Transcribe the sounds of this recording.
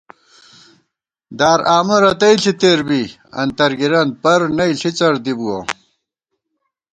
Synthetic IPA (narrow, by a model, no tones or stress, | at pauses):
d̪aːɾaːmɐɾɐt̪ɐiɬʰit̪eːɾbi | ɐ̰nt̪ɐɾɡiɾɐn̚pɐɾnɐiɬit͡sɐɾd̪ibuɐ̰